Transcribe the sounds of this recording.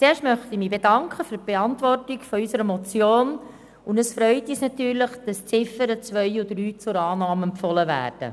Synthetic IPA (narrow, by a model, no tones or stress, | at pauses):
t͡seːɾʃtmœχtimiːbedɑŋkχəfyːb̥eɑntvɔrtikfɔysəɾəmɔt͡sjoːn | ʊndəsfɾœʏtiːsnɑtyːɾləχd̥ɑst͡sɪfəɾət͡sʋœɪʊdɾyːt͡sʊɾɑːnɑːmɛmpfɔləvæ̰ːrd̥ə̰